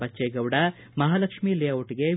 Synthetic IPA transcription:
bɐt͡ʃːeːɡɐʋɽɐ | mɐɦaːlɐkʂmiːlijɐʋoʈːiɡe

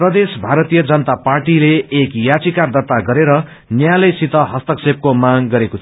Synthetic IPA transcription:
prʌd̪esbʱaɾʌt̪ijʌd͡zʌnʌt̪aparʈileːkjat͡sikard̪ʌt̪aɡʌɾeɾʌ | njalʌjsit̪ʌɦʌst̪ʌksep̚komaŋɡʌɾekot̪ʰi

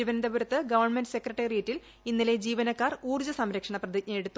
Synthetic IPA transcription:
iʋɐnd̪ɐbuɾɐt̪ːɨɡɐʋɐrɳmenɖɨse̞krɐʈːerijetːil | inːile̞d͡ʑiːʋɐnɐkːaːruːrd͡ʑɐsɐmɾɐkʂɐɳɐprɐd̪icɲɐjeɽut̪ːu

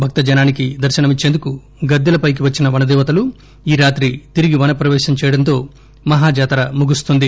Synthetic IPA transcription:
bʱɐk̚t̪ɐd͡ʒɐnaːnikid̪ɐɾʃɐnɐmit͡ʃːend̪uku | ɡɐd̪ːɐlɐpɐjk̬iʋɐt͡ʃːinɐʋɐnɐd̪ɛːʋɐt̪ɐlu | iːɾaːt̪ɾit̪iɾiɡiʋɐnɐpɾɐʋɛːʃɐmt͡ʃɛːjɐɽɐnt̪o̞ː | mɐɦaːd͡ʒaːt̪ɐɾɐmuɡust̪und̪i

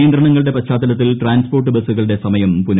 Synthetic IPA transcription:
jɐnd̪ɾɐɳɐŋːɐɭɨɽe̞pɐɕaːd̪ɐlɐt̪ːilʈraːnspo̞ːrʈːɨbɐsːuɣɐɭɨɽe̞sɐmɐjɐmpun

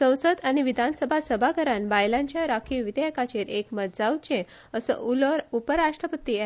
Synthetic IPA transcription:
sə̃w̃sət̪añiʋid̪ʱansəbʱasəbʱakəɾanbajlãɲt͡ɕjaɾakʰiʋid̪jɛkat͡ɕeɾekməd̪d͡zawt͡ɕẽ | əsə̰upəɾaʂʈɾəpət̪i

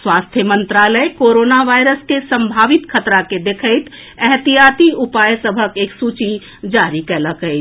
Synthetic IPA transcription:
swast̪ʰjəmənt̪ɾaləjkoɾonaʋajɾəskesəmbʱaːʋit̪kʰət̪ɾaked̪ekʰəɪt̪ | ɛɦt̪ijat̪iupajsəbʱəkeːksut͡ʃi | d͡ʒaɾikɛləkɦəɪt͡ʃʰ

